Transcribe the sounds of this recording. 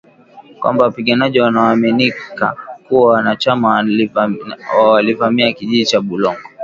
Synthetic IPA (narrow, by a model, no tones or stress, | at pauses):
kwa̰mbawapiɠanaʄiwanaaːminika̰kuwawanat͡ʃama | wawalivamiakiʄiʄit͡ʃaɓulɔŋɡɔ